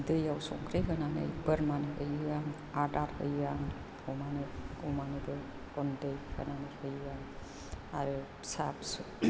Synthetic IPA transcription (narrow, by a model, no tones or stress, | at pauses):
dɯjawsɔŋkʰɾeɦɯnanɯ̰jbəɾmanɯʔɯjaŋ | adaɾhɯ̰jaŋ | ɔwmanɯumanɯdɯ | kɔndɯjhɯ̰nanɯjhɯjaŋ | aɾɯ | saps